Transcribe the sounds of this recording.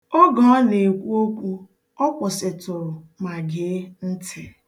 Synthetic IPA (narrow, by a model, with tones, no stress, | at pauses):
ɔ˦ɡɔ˦ɔ˦ne˨kʷu˦o˦kʷu˦ | ɔ˦kʷʊ˨sɪ˨tʊ˨ɾʊ˨ma˨ɡe˨˦n̩˦tʰɪ˦